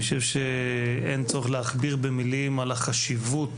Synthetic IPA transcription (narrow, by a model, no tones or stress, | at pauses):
oʃevʃeḛnt͡soʁeχleaχbiʁbemilimalaχaʃivut